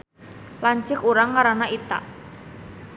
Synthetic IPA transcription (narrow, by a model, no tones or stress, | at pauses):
laɲt͡ʃɪkuɾaŋːaɾanaʔit̪a̰ʔ